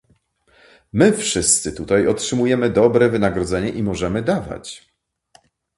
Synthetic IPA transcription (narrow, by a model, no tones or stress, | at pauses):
mɘfʂɘst̪sɘt̪ut̪ajɔtʂɘmujɛmɘd̪ɔbɾɛvɘnaɡɾɔd̪zɛɲɛʔimɔʐɛmɘd̪ava̰t͡ɕ